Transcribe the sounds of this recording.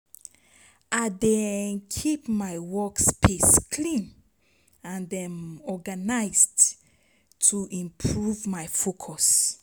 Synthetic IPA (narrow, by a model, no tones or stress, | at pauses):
ʔadɛnkʰipmaɪwɔkspʰeskʰlĩn | ãndɛ̃mɔɡanaɪzd | tʰuʔĩmpʰɹuvmaɪfokʰɔs